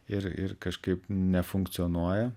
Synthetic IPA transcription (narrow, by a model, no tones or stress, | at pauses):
ɪɾɪ̰ɾkɐʃkɐɪpnʲɛfʊŋkt̪ʲɪonuɔjɛ